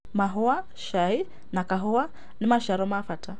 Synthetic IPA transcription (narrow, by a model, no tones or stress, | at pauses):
maɦɔa | ʃai | nakaɦɔwa | nimaʃaɾɔmafatʰa